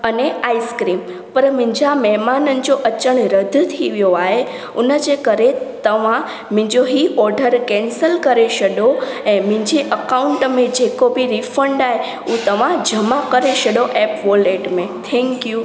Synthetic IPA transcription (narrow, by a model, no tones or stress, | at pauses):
əneaːiskɾiːm | pəɾmɪ̃ɦɲd͡ʑamɛɦmaːnənɪ̆d͡ʑoʔɐt͡ɕəɽ̃ɾəd̪ʱt̪ʰiʋijoaːɦe | ʊnəd͡ʑekəɾet̪ɐʋ̤ã | mɪ̃ɲd͡ʑoɦiɔɾɖəɾkɛ̃nsəlkəɾeʃəɗoɛ̃ːmɪ̃ɲd͡ʑeʔəkaʊ̃ɳʈmẽd͡ʑekobiɾifə̃ɳɖaːɦe | ut̪ɐʋ̤ãd͡ʑʱəmãkəɾeʃɐɗoʔɛːpʋoleːʈmẽt̪ʰɛ̃ŋkju